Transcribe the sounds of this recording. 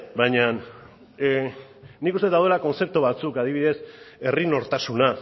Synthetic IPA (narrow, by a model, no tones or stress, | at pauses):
bajɲan | ikust̪et̪awðe̞lako̞nt͡se̞p̚t̪uβat͡sukaðiβiðe̞se̞rino̞ɾt̪asuna